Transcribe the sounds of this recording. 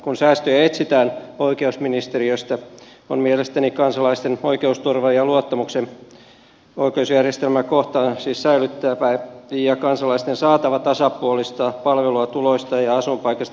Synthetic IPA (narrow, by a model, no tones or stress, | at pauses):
kunsæːst̪øjæet̪sit̪æːnoikeusminist̪eriøst̪æ | o̰nmielest̪ænikɑnsɑlɑist̪enoikeust̪urʋɑjɑluot̪ːɑmuksen | oikeusjærjest̪elmækoht̪ɑsiːssæilyt̪ːæːpæiijɑkɑnsɑlɑist̪ensɑːt̪ɑʋɑt̪ɑsɑpuolist̪ɑpɑlʋeluɑt̪uloist̪ɑjɑɑsumpɑikɑst̪